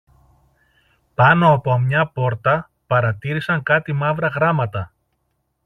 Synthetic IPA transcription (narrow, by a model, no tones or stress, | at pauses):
pɐno̞ɐpo̞mɲɐpo̞ɾt̪ɐ | pɐɾɐt̪iɾisɐŋkɐt̪imɐvɾɐɣɾɐmɐt̪ɐ